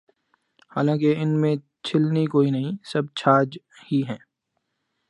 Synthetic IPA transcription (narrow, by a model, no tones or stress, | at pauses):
ha̰ːlãːkeɪnmẽ | t͡ʃʰɪlnikoːinɐɦĩsɐb̚t͡ʃʰaːd͡ʒ | hiɦɛ̃ː